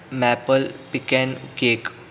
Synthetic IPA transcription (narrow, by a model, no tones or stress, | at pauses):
mɛpəlpikɛ̃nkek